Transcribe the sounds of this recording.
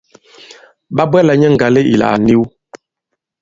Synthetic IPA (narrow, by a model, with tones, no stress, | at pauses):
ba˦bwɛ˦la˨ɲɛ˦ŋ̩˨ɡa˨le˦ʔḭ˨la̰˨ni˦w